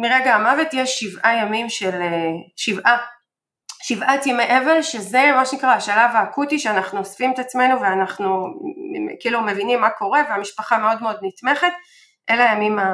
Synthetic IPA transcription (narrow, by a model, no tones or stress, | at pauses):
miʁeɡaːmavet̪jeʃivʔajamimʃeleʃivʔa | ʃivʔat̪emeʔe̞velʃeze̞maʃenikʁaaʃalavaːkut̪iʃeanaχnuosfimet̪at͡sme̞nuveanaχnu | kiiːlumevinimːako̞ʁe̞veamiʃpaχameo̞d̪meo̞d̪nit̪me̞χe̞t̪ | ʔe̞lajamima